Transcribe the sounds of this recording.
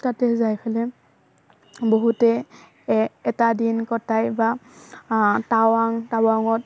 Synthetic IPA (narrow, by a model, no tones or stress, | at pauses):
tatɛzajpʰalɛ | boɦutɛ | ɛtadinkɔtajba | tawaŋtawaŋɔt̚